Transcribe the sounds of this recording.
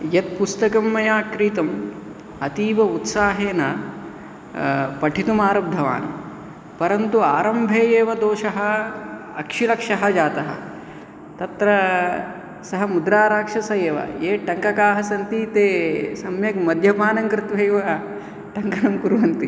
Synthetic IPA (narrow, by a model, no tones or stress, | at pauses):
jɐt̪̚pust̪ɐkɐmːɐjaːkɾiːt̪ɐm | ɐt̪iːʋɐut̪saːɦeːnɐ | pɐʈʰit̪umaːɾɐb̚d̪ʱɐʋa̰ːnɐ̰ | pɐɾɐnt̪uaːɾɐmbʱeːjeːʋɐd̪oːʃɐɦɐ̆ | ɐkʂilɐkʂɐɦɐd͡ʒaːt̪ɐɦɐ̰ | t̪ɐt̪ɾɐ | sɐɦɐmud̪ɾaːɾaːkʂɐsɐjeːʋɐ̰eːʈɐŋkɐkaːɦɐsɐnt̪iːt̪eːsɐmjɐkmɐd̪ʱjɐbʱaːnɐŋkɾɪt̪ʋejʋɐ | ʈɐŋkɐnɐmkuɾʋɐnt̪i